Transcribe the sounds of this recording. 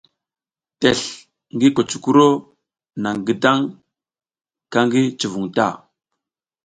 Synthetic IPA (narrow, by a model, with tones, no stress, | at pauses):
te˨ɬ | ŋɡi˦ko˨t͡ʃu̥˨ku˦ɾo˦ | na˨ŋɡə˦da˦ŋ | ka˦ŋɡi˦t͡ʃu˨vu˨ŋta̰˦˨